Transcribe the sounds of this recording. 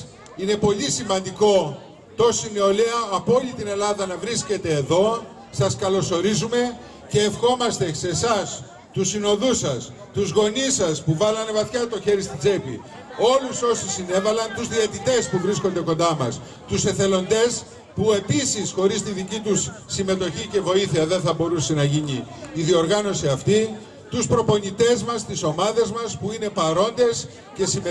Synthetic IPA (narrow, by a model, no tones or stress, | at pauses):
ine̞po̞lisimɐnd̪iko̞ | t̪o̞sineo̞leɐːpolit̪ine̞lɐðɐnɐvɾisce̞t̪e̞ːðo̞ | sɐskɐlo̞so̞ɾizume̞ | ce̞ːfxo̞mɐst̪e̞se̞sɐs | t̪usino̞ðusɐs | t̪uzɣo̞nisɐspuvɐlɐne̞vɐθçɐt̪o̞çe̞ɾist̪id͡zepḭ | o̞luso̞sisine̞vɐlɐnt̪uzðiɐt̪it̪e̞spuvɾisko̞nd̪e̞ko̞nd̪ɐmɐs | t̪use̞θe̞lo̞nd̪e̞s | pue̞pisisxo̞ɾist̪iðicit̪usːime̞t̪o̞çice̞vo̞iθiɐðe̞nθɐbo̞ɾusenɐʝiɲiːðio̞ɾɣɐno̞siɐft̪i | t̪uspɾo̞po̞nit̪e̞zmɐst̪iso̞mɐðe̞zmɐspuine̞pɐɾo̞nd̪e̞s | ce̞si